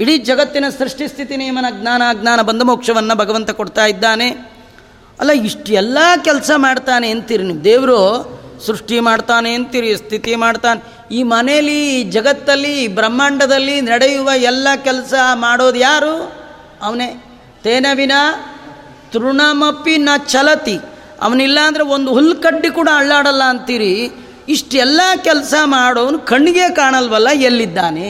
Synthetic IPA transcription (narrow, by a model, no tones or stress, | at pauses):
iɽid͡ʒɐɡɐt̪ːinɐsɾuʂʈist̪ʰit̪ineːmɐnɐɡnaːnɐɡnaːnɐbɐnd̪ʱɐmoːkʂɐʋɐnːɐbʱɐɡɐʋɐnt̪ɐkoɽt̪aːjid̪ːaːne | ɐ̰lːɐiʂʈɛlːɐkɛlsɐmaːɽt̪aːneːnt̪iɾiniʋud̪eːʋɾoːsɾuʂʈimaːɽt̪aːneːnt̪iɾist̪ʰit̪imaːɽt̪aːne | iːmɐnejɐlːid͡ʒɐɡɐt̪ːɐlːibɾɐmːaːɳɖɐd̪ɐlːinɐɽejuʋɐɛlːɐkɛlsɐmaːɽo̞ːd̪ujaːɾuː | ɐʋɐne | t̪eːnɐʋinɐ | t̪uɾuɳaːmɐpːinɐt͡ʃɐlɐt̪i | ɐ̰ʋɐnilːɐːnd̪ɐɾeond̪uɦulːkɐɖːikuːɽɐɐɭːaːɽɐlːɐːnt̪iːɾiː | ʂʈɛlːɐkɛlɐsɐmaːɽoːʋɐnukɐɳːiɡekaːɳɐlʋɐlːɐelːid̪ːaːne